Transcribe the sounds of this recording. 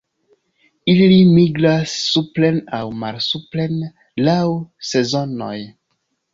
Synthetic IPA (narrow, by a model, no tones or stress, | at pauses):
ilimiɡɾasːuplenawmalsuplen | lawse̞zo̞no̞̰j